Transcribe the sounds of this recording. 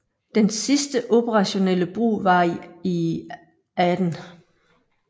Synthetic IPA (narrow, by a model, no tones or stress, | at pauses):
d̥ensisd̥əʔo̝pʰəʁɑ̈ɕo̝neləb̥ʁṵːʋɑ̈i | æd̥n̩